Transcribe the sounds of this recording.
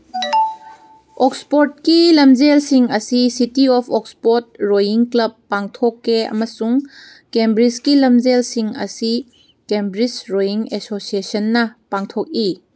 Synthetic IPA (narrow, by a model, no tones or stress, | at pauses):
ɔkspɔɾt̚kilɐmd͡ʒelsiŋɐsisitiɔpʰɔk̚spot̚ɾojiŋklɐbːaŋtʰokːeɐ̰mɐsuŋ | kembɾiskilɐmd͡ʒelsiŋɐ̰si | kembɾisɾojiŋesosiesɐnːɐpaŋtʰok̚i